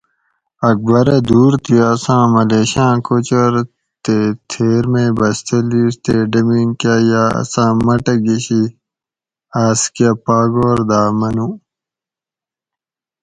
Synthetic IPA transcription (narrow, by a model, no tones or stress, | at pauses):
ɐk̚bɐɾɐd̪uːɾt̪ʰiːsãːmɐleːɕãːkot͡ɕoɾ | t̪et̪ʰeːɾmẽːbɐst̪ʰeliːst̪eɖɐmiːnkaːjaːɐ̰sãːmɐʈɐɡiɕi | aːskɐpaːɡoːɾd̪aːmɐnũ